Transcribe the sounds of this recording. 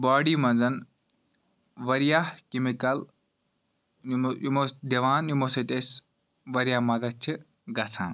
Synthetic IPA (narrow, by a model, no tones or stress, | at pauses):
baːɽiːmɐnzɐn | ʋɐɾijahkimikɐl | mod̪ɐʋaːnːumosites | ʋɐɾjamɐd̪ɐt͡ʃʰi | ɡɐt͡sʰã̰ːn